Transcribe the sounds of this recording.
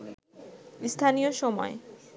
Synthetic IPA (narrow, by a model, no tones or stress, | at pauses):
st̪ʰanijoʃɔmɔ̰e